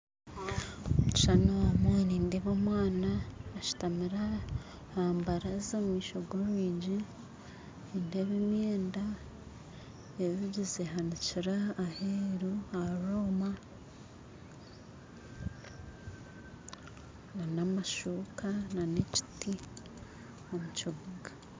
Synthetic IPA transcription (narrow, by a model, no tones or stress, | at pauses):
omuci̥ʃanawameniːndeβomwaːnaːʃu̥tamiɾa | haːmbaɾazomumiːʃoɡoːmβiɟi | indeβimjeːnda | eɾuɟizeɦaniciɾaːheːɾuaɾoma | nanamaʃuːkananeci̥ti | omut͡ʃoβuɡa